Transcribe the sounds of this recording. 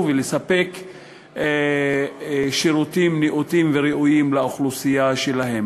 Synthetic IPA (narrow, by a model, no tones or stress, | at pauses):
velesape̞k | ʃiɾut̪imniʔut̪imveɾeʔujimlaoχlusijaʃelaɦe̞m